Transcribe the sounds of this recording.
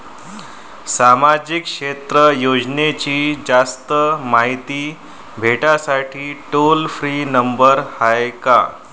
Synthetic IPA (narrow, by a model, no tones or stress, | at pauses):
samad͡ʑikʂet̪ɾəjod͡ʑnet͡ɕiːd͡zast̪əmaɦit̪iː | bʱeʈasaʈʰiːʈolfɾiːnəmbəɾhajka̰